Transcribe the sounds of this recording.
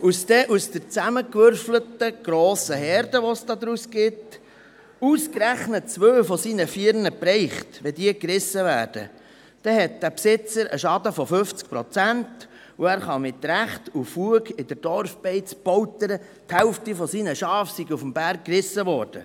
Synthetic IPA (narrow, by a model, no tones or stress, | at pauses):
usd̥ɛʔusd̥̪əɾt͡sæməkʋʏɾflətəɡ̥ɾoːsəɦɛɾdəʋɔsd̥ɑːd̪ɾusɡ̥ɪt | uskɾæχnətt͡sʋøːfɔsinəfiəɾnəpɾɛɪχtʋɛdiəkɾɪsːəʋæːɾd̥ə̰ | d̥ɛhɛt̚d̥̪æpsɪt͡səɾʔə̰ʃɑdəfɔfʏft͡sk̚pɾɔt͡sænt | uæːɾχɑmɪtɾæχtufuəɡɪd̥əɾd̥ɔrfb̥ɛɪt͡sb̥ɔwtəɾə | thɛʊftifɔsinəʃɑːfsiɡufəmb̥æɾkkːrɪsəʋɔːɾd̥ə̰